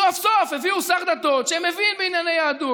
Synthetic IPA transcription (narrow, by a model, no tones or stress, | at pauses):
uafsofheviusaχd̪at̪o̞t̪ʃeemevinbeinjanejaːd̪u